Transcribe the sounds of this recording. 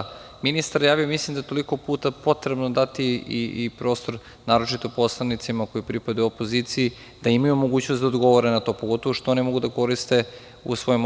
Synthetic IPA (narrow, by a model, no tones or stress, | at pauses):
minist̪aɾjaːʋijomislimd̪aet̪o̞liko̞puːt̪apo̞t̪ɾebnod̪at̪iiipɾo̞ːst̪o̞ɾ | naːɾo̞t͡ʃit̪opo̞slˠanit̪simako̞jipɾipad̪euopo̞zit̪siji | d̪̥aimajumo̞ɡuːt͡ɕnost̪d̪aod̪ɡo̞ʋoɾenat̪o̞poɡo̞t̪oʋoʃt̪oonimo̞ɡud̪ako̞ɾist̪e̞ | ṵsʋo̞jom